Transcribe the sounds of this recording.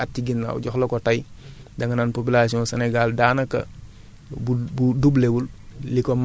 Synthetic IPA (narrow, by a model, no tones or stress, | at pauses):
atːiɡinːa̰ṵɟɔxlɔkɔtajdɐŋɐnaːnpop̬ilasiɔ̃nsɛnɛɡaldaːnɐkːɐ̰ | bubudublewullikɔm